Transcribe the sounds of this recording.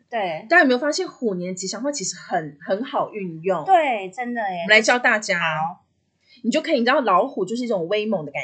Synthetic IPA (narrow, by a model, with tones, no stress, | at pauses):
t̪we˥˩ɪt̪jme˦˥jo˨˩fa˥ɕjɛ˥˨nxu˨˩njɛ˧˦nə˧t͡ɕi˧˥ɕjɑ˨˩ŋfwa˥˩t͡ɕʰi˧˥ʂɻ̩˧˥xə˨˩˦nxə˧˥nxɑ˨˩ʊʔy˥˧njʊ˥˩ŋt̪we˥˩ɪʈ͡ʂə˦˥nd̪ə˨m˦la˧˥ɪt͡ɕjɑ˥ʊt̪a˥˩t͡ɕja˥ | ni˨t͡ɕjo˥˩ʊkʰɤ˧˥˨ʈ͡ʂ̩̪˥˩ɑ˥˩lɑ˧˥ʊxu˨˩t͡ɕjo˥˧ʂɻ̩˥˧i˥˩ʈ͡ʂo˨˩ŋwe˥ɪmɔ˨˦ŋd̪ə˩ka˨˩